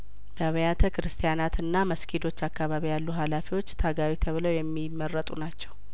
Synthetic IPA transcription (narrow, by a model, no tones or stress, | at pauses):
b̥əβəjat̪ʰəkɨɾɨst̪ʰijanat̪ɨnːaməskʰid̪o̞t͡ʃːakːaβaβijalːuɦalafiwo̞t͡ʃːt̪ʰaɡawit̪ʰəβɨləwjɛmːimːərːət̪ʼṵnat͡ʃːɛw